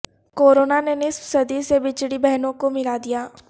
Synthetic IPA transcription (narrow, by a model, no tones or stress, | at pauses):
koːɾoːnanenɪsfsɐd̪isebɪt͡ʃɽibɛɦnõkomɪlad̪ijaː